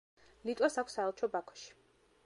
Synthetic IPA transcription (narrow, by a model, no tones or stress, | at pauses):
lit̪ʼasakʷʰsaɛlˠt͡ʃʰɔbakʰɔ̥ʃi̥